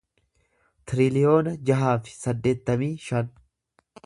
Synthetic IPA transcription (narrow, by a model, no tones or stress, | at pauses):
t̪ɪɾɪlɪjo̞ːnɐd͡ʒɐɦaːfɪ̥sɐd̪ːe̞ːt̪ːɐmiːʃɐn